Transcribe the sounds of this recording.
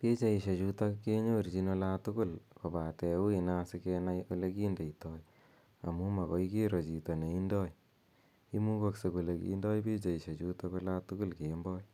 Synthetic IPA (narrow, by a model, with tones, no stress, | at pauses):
pe˦t͡ʃa˨i˨ʃe˨t͡ʃu˨ta˦kke˦ɲo˦ɾt͡ʃi˧no˧la˦tʊ˦kʊ˦lko˨ba˨tɛ˨u˦i˨na˧sɪ˦kena˦jo˦le˦ki˦nde˨i˨tɔ˦j | a̰˨mu˦ma˨kɔ˦i˦ke˦ɾo˨t͡ʃi˨tɔ˨ne˨i˦ndɔ˦j | i˦mu˦kɔ˧kse˨ko˨le˨kḭ˦ndɔ˦jpe˦t͡ʃa˨i˨ʃe˨t͡ʃuta˦ko˦la˦tu˦kʊ˦lke˨mbɔ˦j